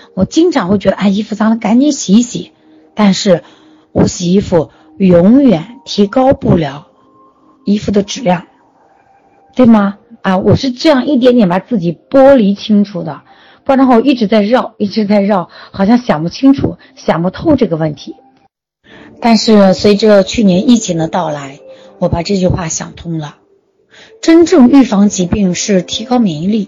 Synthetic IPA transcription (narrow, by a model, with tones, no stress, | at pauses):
wɔ˨˩t͡ɕi˥ŋʈ͡ʂʰɑ˨˧˥ŋxwe˥˩t͡ɕɥɛ˧˥d̪ə˧ʔa˥˩ɪi˥fu˧˩t͡sʰɑ˥ŋlə˧ka˧˥nt͡ɕi˧˥nɕi˧˥ɕḭ˨˩ | t̪a˥˧nʂɻ̩˥˩ | wɔ˧˥ɕi˨˩i˧˥fu˥˩ | jʊ˧˥ŋɥɛ˨˩˦nt̪ʰi˧˥kɑ˥ʊpu˥˩ljɑ˧˥ʊ | i˥fu˧˩d̪ə˨ʈ͡ʂɻ̩˨˩ljɑ˥˩ŋ | t̪we˥˩ɪmɐ˩a˥˩wɔ˨˩ʂɻ̩˥˧ʈ͡ʂɤ˥˧jɑ˥˧ŋʔi˥˩t̪̬jnt̪jɛ˨˥npa˧˩t͡sɹ̩˥˩t͡ɕi˨˩pwɔ˥li˧˥t͡ɕʰi˥ŋʈ͡ʂʰu˨˩d̪ə˩ | pʈ͡ʂʰɑ˥ŋxi˥˩ʈ͡ʂɻ̩˧˥t͡sa˥˧ɪɻɑ˥˩ʊi˥˩ʈ͡ʂɻ̩˧˥t͡sa˥˧ɪɻɑ˥˩ʊxɑ˨˩ʊɕjɑ˥˩ŋɕjɑ˨˩ŋpu˥˩t͡ɕʰi˥ŋʈ͡ʂʰṵ˨˩˦ | ɕjɑ˨˩ŋpu˧˥t̪ʰo˥˧ʊʈ͡ʂɤ˥˩ɡə˩wə˥˩nt̪ʰi˧˥ | t̪a˥˧nʂɻ̩˥˩swe˧˥i˧˥ʈ͡ʂə˧t͡ɕʰy˥˩njɛ˧˥ni˥˩t͡ɕʰi˧˥ŋd̪ə˧t̪ɑ˥˩ʊla˧˥ɪ | wɔ˧˥pa˨˩ʈ͡ʂɤ˥˧t͡ɕy˥˧xwa˥˩ɕjɑ̰˨˩ŋt̪ʰʊ˥ŋlə˨ | ʈ͡ʂə˥nʈ͡ʂɤ˥˧ŋy˥˩fɑ˧˥ŋt͡ɕi˧˥pi˥˧ŋʂɻ̩˥˩t̪ʰi˧˥kɑ˥ʊmi˧˥ŋli˥˩